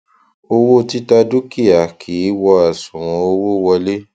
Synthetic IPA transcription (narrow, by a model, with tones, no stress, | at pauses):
o˧wo˦˧ti˦ta˧du˦ki˦˨a˨kʰi˨˦wɔ˧a˨sũ˨ɾ̃ɔ̃˧o˧wo˦wɔ˧le˦